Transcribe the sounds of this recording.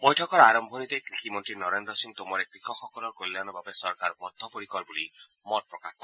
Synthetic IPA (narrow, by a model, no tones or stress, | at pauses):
bɔjʈʰɔkɔɾaɾɔmbʱɔnit̪ekɾiximɔnt̪ɾinɔɾend̪ɾɔsiŋt̪omɔɾekɾikʰɔxɔkɔlɔɾkolilanɔbabesɔɾkaɾbɔd̪ʱɔpoɾikɔɾbuli | mɔt̚pɾɔkat̪ɔ